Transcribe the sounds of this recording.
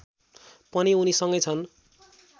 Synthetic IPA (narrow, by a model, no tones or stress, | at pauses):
pʌniunisʌŋɡʌjt͡sʰʌn